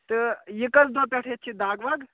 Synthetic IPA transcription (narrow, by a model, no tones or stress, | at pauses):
t̪ɨjikɐsd̪opʲaʈʰetːt͡ʃʰid̪aːɡʋaɡ